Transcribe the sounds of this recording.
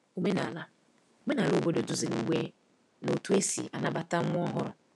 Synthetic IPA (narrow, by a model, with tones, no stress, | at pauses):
o˦me˦na̰˨la˦ | o˦me˦na˨lo˦bo˦do˨dʊ˨zi˨ɾḭ˦wʷe˦ | no˨tu˦e˦sḭ˨ʔa̰˨na˦ba˦ta˦ŋʷʊ˦ɔ˦ɦʊ˦ɾʊ̰˨